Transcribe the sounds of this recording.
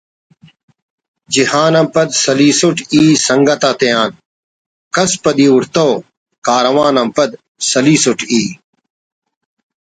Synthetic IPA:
d͡ʑihaːnɐmpɐd̪sɐliːsuʈiːsɐŋɡɐt̪aːt̪ejaːn | kɐspɐd̪iːuɾt̪oː | kaːɾɐwaːnɐmpɐd̪ | sɐliːsuʈʰiː

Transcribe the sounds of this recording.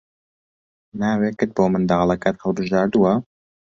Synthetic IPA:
naːweːkɨt̪̚boːmɨnd̪ɑːlˠɐkaːt̪həlˠbɨʒɑːɾd̪uwɐ

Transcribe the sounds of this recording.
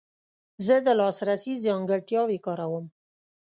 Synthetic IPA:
zəd̪əlɑsɾasizɑŋɡəʈjɑwekɑɾawəm

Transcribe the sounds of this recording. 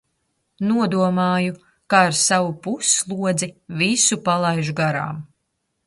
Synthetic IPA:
nuɔd̪uɔmaːju | kaaɾsavupuslˠuɔd̪zivisupalˠajʒuɡaɾa̰ːm

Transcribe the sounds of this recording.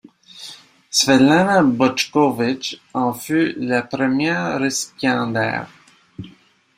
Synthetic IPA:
svɛlanabɔt͡ʃkɔvɪt͡ʃɑ̃fylapʁəmjɛːʁːesi̥pjɑ̃d̪ɛ̰ːʁ

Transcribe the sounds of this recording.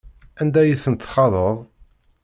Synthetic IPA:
ænd̪æjiθənt̪ːχɑðˤəðˤ

